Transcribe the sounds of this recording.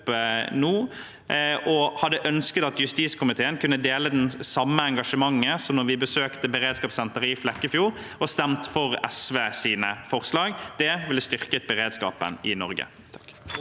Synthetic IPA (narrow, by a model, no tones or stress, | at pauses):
pnuː | ʔɔhɑd̪ːəʔœnskət̪ɑt̪jʉst̪iːskʰʊmɪt̪ʰeːənkʰʉnːəd̪eːləd̪ɛnsɑmːəɛŋɡɑʂəmɑŋːəsɔmnɔʁʋɪbəsøːkt̪əbəɾeːd̪skɑːpsɛnt̪əɾɪflɛkːəfjuːɾ | ɔst̪ɛmt̪fɔʁɛsʋeːsiːnəfɔʁslɑːɡd̪̥ɛʋɪləst̪ʏʁkət̪̚bəʁeːd̪skɑ̰ːpə̰nɪnɔɾɡə̰ | t̪ʰ